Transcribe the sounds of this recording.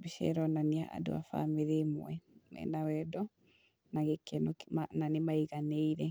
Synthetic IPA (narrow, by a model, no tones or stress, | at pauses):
beʃɛ̰ɾɔnaniaʔa̰do̰a̰fa̰meðemw̰ɛnɛ̰nawɛdɔ | naɣekɛnɔkmananemaiɣaneiɾɛ